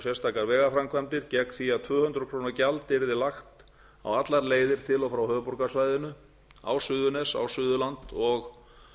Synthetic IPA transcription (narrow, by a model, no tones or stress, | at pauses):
sɛst̪ʰaːkaɾvɛːɣafɾamkʰvamt̪ɪɾcɛkθiaðt̪ʰvœːhʏnt̪ɾʏkʰɾoːwnacalt̪ɪɾðɪlaxt̪ | a̰wat̪laɾleːjðɪɾ̥t̪ʰɪlɔwfɾawhœːpuɾkasvajðɪnʏ | a̰wsʏðʏnɛsa̰wsʏːðʏlant̪ɔx